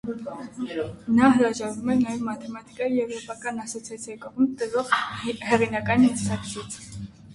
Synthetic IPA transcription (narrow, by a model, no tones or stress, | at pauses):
naɦɾaʒaɾmanamat̪ʰɛmat̪ʼikʼaiɛvɾɔpʼakʼanasɔt̪sʰiat̪sʰiɛkʼɔbɔmt̪ʼɛzɔhɛɾinakʼanisakʰsit̪ʰ